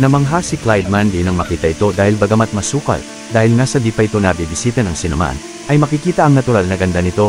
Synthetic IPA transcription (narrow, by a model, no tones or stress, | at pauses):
nɐmɐŋɦasɪklajd̪̚mand̪inɐŋmɐkiːt̪ɐʔɪt̪o̞d̪aːhɪlbɐɡɐmat̪̚mɐsuːkɐ̰l | d̪aːhɪlnasɐb̪iːpɐʔɪt̪o̞nɐbibɪsiːt̪ɐnɐŋsɪnoma̰n | ʔɐjmɐkɪkiːt̪ɐʔɐŋnɐt̪ʊɾalnɐɡɐnd̪anɪt̪o̞